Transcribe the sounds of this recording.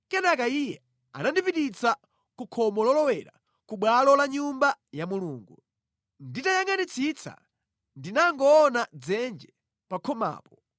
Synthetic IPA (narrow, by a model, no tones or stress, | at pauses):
kɛnakaijɛ | a̰nandipiɗit͡sa | kukʰɔmɔlɔlɔwɛɾa̰ | kuɓwalɔlaɲumbajamuluːŋɡu | nditajaŋanit͡sʰit͡sʰa̰ | ndinaŋɡɔːnad͡zɛnd͡ʒɛ | pakʰɔma̰ːpɔ